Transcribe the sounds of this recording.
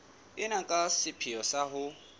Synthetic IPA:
ɪnakʼasɪpʰijɔsaɦʊ

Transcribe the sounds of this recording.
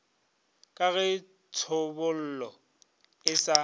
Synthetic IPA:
kʼaɣɪ | t͡sʰʊbʊl̩ːlɔ | ɪsa

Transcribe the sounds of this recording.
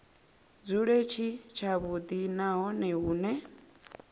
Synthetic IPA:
d͡zuɺet͡ʃʰit͡ʃʰaβud̪inaɦɔnɛuːnɛ

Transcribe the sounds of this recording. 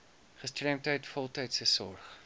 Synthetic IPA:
χəstrɛmtɦəjtfɔlˠtəjtsəsɔrχ

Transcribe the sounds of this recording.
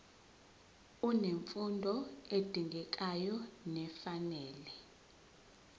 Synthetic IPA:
uneɱfundʱɔed̥ʱiŋɡʱɛk̬ʼajɔnɛfanɛːlɛ

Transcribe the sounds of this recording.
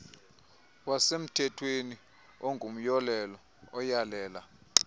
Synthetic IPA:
wasem̩tʰɛtʰweni | oŋɡʱum̩jɔlɛlɔ | ɔjalɛːla

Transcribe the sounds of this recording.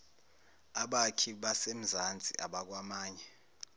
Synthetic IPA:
aɓakʰiɓasem̩zand͡zʱʼḭʔa̰ɓak̬wamaːɲɛ

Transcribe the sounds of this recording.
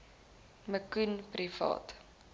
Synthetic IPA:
məkunprifɑ̰ːt

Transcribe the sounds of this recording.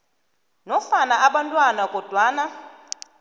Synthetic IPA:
nɔfanaʔaɓantʼwanakʼɔd̥ʱwaːna

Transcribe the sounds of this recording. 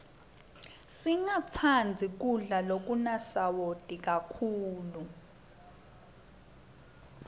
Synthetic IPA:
siŋat͡sʰand͡zʱik̬uɮalok̬unasawod̥ʱʼik̬akʰuːlu

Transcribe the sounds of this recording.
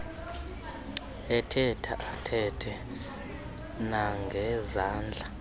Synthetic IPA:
ɛtʰɛtʰaʔatʰɛtʰɛ | naŋɡʱɛzaːnd͡ɮʱa

